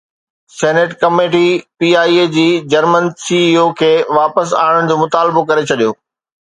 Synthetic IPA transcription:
sɛːneʈkɐmeːʈipiːaːiːed͡ʑiːd͡ʑɐɾmənsiːiːoːkʰeːʋaːpəsa̰ːɪɽ̃əɽ̃d͡ʑoːmʊt̪aːlbokɐɾet͡ɕʰɐɗijoː

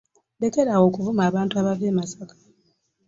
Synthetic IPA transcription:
de̞ke̞ɾawo̞ːkuvumaːβaːntuaβave̞ːmasakḁ

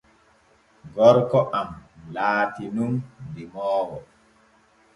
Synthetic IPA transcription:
ɡɔɾkɔʔamlaːtinundimɔːwɔ

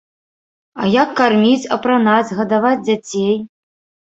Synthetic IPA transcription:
ɐjakːarmʲit͡sʲɐpɾanad͡zʲɣɐd̪avad͡zʲd͡zʲat͡sʲej

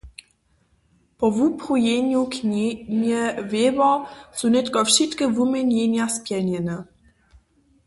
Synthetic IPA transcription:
pɔvupχujeɲukɲɲɛvevɔsunɛt̪kɔfʃit̪kəvumʲɛɲʲeɲjaspʲjɛɲɛnɛ

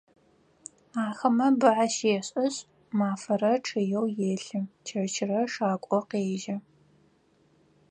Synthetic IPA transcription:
aːxɐmɐbɨʕaʃeːɕʼɐɕʼ | maːfɐrɐʈ͡ʂʰɨjɛwjeːɬɨt͡ʃʰɐrt͡ʃʰɪrɐʂaːkʷʼɔqeːʒɐ

